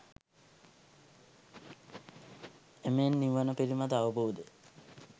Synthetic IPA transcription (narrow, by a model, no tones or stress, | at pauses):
emenːiʋənəpiɾimad̪aʋəboːd̪ə